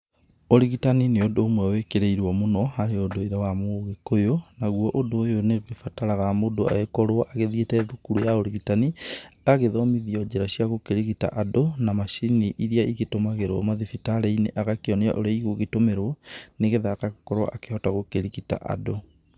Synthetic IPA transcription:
oɾiɣitanineodoːmwɛwekeɾeiɾwɔmonɔhaɾeodoeɾawamoɣekojonaɣwɔʔodoːjoneɣɣefataɾaɣamodoa̰ekɔɾwɔʔaɣeðietɛðukuɾujaoɾiɣitaniaɣeðɔmiðiɔd͡ʒeɾaɕiaɣokeɾiɣita̰ʔadonamaʃiniʔiɾiaiɣetomaɣeɾwɔmaðifitaɾeinḛʔaɣakeɔnea̰ʔo̰ɾeaiɣoɣetomeɾwɔneɣeðakaɣokɔɾwa̰ʔakeɔtaɣokeɾiɣita̰ʔa̰do

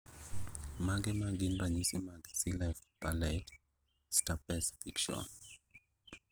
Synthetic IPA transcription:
maɡɛmaɡinbaɲisimaɡisilafpalɛt | stapɛsfikʃɔ̰n

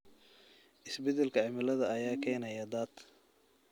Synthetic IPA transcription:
ʔɪsbɛd̪ɛlkʰɐʕɪmɪlɐðɐɐjaːkʰɛːnɐjɐd̪aːd̪

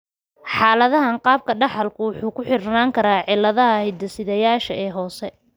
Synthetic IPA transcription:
ħɑːlɐðɐɦɐnqɑːb̚kʰɐɖɑħɐlkʰʊwʊħuːkʰʊħɪrnaːŋkʰɐɾaːʕɪlːɐðɐɦɐhɪd̪ɐsɪðɐjaːʃɐʔɛːɦɔːsɛ

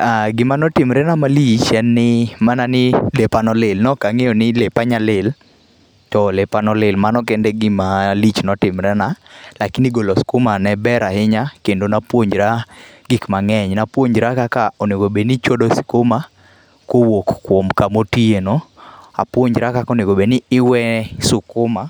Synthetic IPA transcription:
aɡɪmanɔtɪmɾɛnamalit͡ʃɛnːɪmananɪlepanɔlɪlnɔkaŋejɔnɪlepaɲalɪl | tɔlepanɔlɪlmanɔkɛndɛɡɪmalit͡ʃnɔtɪmɾɛnalakɪniɡolɔskomanɛbɛɾahɪɲakendonapwoɲd͡ʒɾaɡɪkmaŋɛɲnapwoɲd͡ʒɾakakaoneɡobenit͡ʃodosɪ̥koma | kowokːwomkamotienɔa̰pwoɲd͡ʒɾakakoneɡobenɪːwɛsʊkʊma

